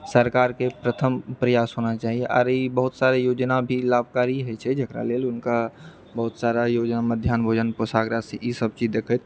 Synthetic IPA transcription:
səɾkaːɾkepɾət̪ʰəmpɾəjaːsɦoːnat͡ʃaːɦieʔɔ̰ːɾebəɦʊt̪saːɾejoːd͡ʒnabʱilaːbʱkaːɾiɦɛt͡ʃʰɛd͡ʒəkɾa̰leːlʊnka | bəɦʊt̪saːɾajoːd͡ʒnaməd̪ʱjaːnbʱoːd͡ʒənposaːɡɾaseisəb̚t͡ʃiːd͡ʒd̪eːkʰət̪

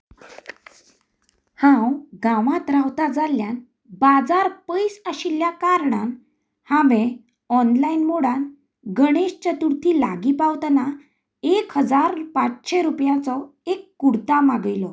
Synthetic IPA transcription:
hãwɡãʋãt̪ɾawt̪ad͡zaljan | bad͡zaɾpəjsəɕiljakaɾɳan | hãʋẽ | ɔnlainmoɽan | ɡəɽ̃eɕt͡ɕət̪uɾt̪ʰiːla̰ɡipawt̪na | ekɦəd͡zaɾpat͡sɕeɾupjat͡sɔekːuɽt̪amaɡəjlɔ

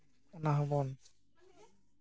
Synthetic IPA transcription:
ɔnaɦɔbɔn

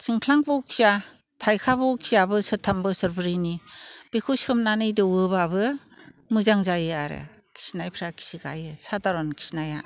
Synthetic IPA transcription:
siŋkʰlaŋbɔkʰiza | tʰajkʰabɔkʰizabɯsɯtʰːambɯsɯɾbɯɾinib̥ekʰusɯmnanɯjdɯwɯbabɯ | mɯzaŋzajɯaɾɯ̰kʰi̥sinajpʰɾakʰi̥siɡa̰jɯsadaɾɔnkʰi̥snaja

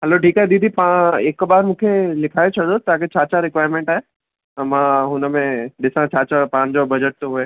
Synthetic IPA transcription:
ɦɛloʈʰiːkaɦed̪iːd̪ʱipãeːkːbaːɾmũːkʰelɪkʰaːet͡ʃʰɐɽot̪aːket͡ɕaːt͡ɕaɾɪkʋaːjɾmẽɳʈaɦe | mãːɦʊnəmẽd̪ɪsãt͡ɕaːt͡ɕapãːnd͡ʑobɐd͡ʑəʈ̚t̪oɦue

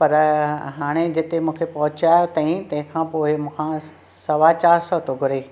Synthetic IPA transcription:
pɐɾɦaːɽ̃ed͡ʑɪt̪emũːkʰepɐɦʊt͡ɕaːjot̪ɐĩt̪ɐ̃ɦɪ̃kʰãpoːɪmũːkʰã | sɐʋat͡ɕaːɾsɔt̪oɡʱʊɾeː

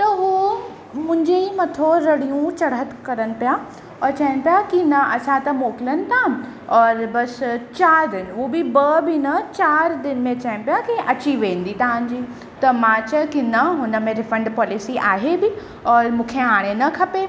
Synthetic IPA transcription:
t̪ɐɦu | mʊ̃ɦɪ̃ɲd͡ʑeimɐt̪ʰoɾɐɽijũt͡ɕɐɽɦət̪kɐɾəñɪ̆pija | ɔːɾt͡ɕɐɦəɽ̃ɪ̆pijakinɐɐsãt̪ɐmoːkɪlənɪ̆t̪ʰa | ɔːɾbɐst͡ɕaːɾd̪ɪnɦubɪbɐbɪnɐt͡ɕaːɾd̪ɪnɪ̆mẽt͡ɕɐɦɪəñɪ̆pijakiʔɐt͡ɕiʋẽːnd̪it̪ɐʋãɲd͡ʑiː | t̪ɐmãt͡ɕɐ̃kinɐɦʊnə̆mẽɾɪfə̃ɳɖpɔːlɪsiʔaːɦebɪ | ɔːɾmũːkʰeaːɽ̃enɐkʰɐpe

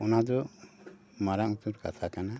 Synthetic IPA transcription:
ɔnad̪ɔ | maɾaŋut̪uɾka̰t̪ʰakana

